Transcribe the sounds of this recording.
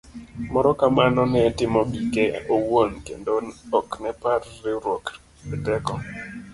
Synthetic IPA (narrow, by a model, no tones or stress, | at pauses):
mɔɾɔkamanɔnɪɛtɪmɔɡikeowonkḛndoɔknɛparːɪɾwok | bɪtɛkɔ